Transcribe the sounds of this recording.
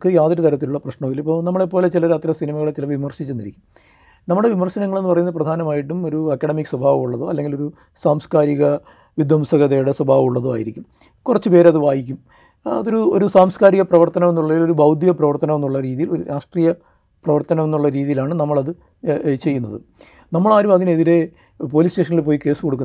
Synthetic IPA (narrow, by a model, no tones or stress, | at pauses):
kːɨjaːðɐɾut̪ɐɾɐt̪ːiluɭːɐprɐɕɳɐʋilipːo̞ːnɐmːɐɭepːo̞ːle̞t͡ɕilɐɾɐt̪ːɾɐsinimɐɣɐɭet͡ɕːilɐʋimɐrɕit͡ɕːunːiɾikʲːum | nɐmːɐɽeʋimɐrɕɐnɐŋːɐɭenːɨpɐrɐjunɐðɨprɐd̪ʱaːnɐmaːjiʈːumo̞ɾuɐkːɐɽɐmikːswɐbʱaːʋɐmuɭːɐðoːɐlːeŋɡilo̞ɾu | saːmskaːɾiɣɐ | ʋid̪wɐmsɐɣɐðɐjuɽe̞swɐbʱaːʋɐuɭːɐðoːa̰ːjiɾikʲːum | kurɐt͡ɕːɨpe̞ːɾeɐðɨʋaːjikʲːum | ɐ̰ðo̞ɾuoɾusaːmskaːɾiɣɐprɐʋɐrt̪ɐnɐmenːuɭːɐilo̞ɾubʱɐwd̪ʱjɐprɐʋɐrt̪ɐnɐme̞nːuɭːɐɾiːðijilo̞ɾuɾʔaːʂʈriːjɐ | prɐʋɐrt̪ɐnɐmenːuɭːɐɾiːðijilaːɳɨnɐmːɐɭɐðɨ | t͡ɕe̞jːunːɐðɨ̰ | nɐmːɐɭaːɾumɐðineðiɾe̞ | po̞ːliːsʈe̞ːʂɐnːɐɭilp̬o̞ːjike̞ːsɨ̥koɽukːun